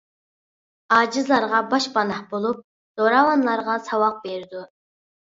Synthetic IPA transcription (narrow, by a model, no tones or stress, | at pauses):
ɑːd͡ʒizlˠɑɾʁɑbɑʃpɑnɑhbolˠup̚ | z̥oɾɑwɑnlˠɑɾʁɑsɑwɑq̚beɾd̪u